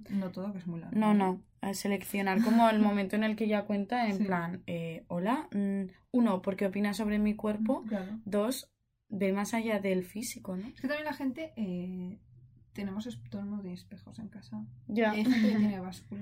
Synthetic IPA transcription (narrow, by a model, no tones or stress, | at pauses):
not̪oðokezmujla̰ɾno̞no̞ | ase̞le̞kθjo̞naɾko̞mo̞elmo̞mẽnt̪oene̞lkeʝakwe̞nt̪aemplaneo̞la | uno̞po̞ɾkeo̞pinaso̞β̞ɾe̞mikwe̞ɾpo̞klaɾoðo̞z | be̞masaʝaðe̞lfisiko̞noesket̪amjelaxe̞nt̪e̞ʔe | t̪e̞nemosest̪oelmõespe̞xo̞se̞ŋkasaɟ͡ʝaejxent̪eket̪eneβaskul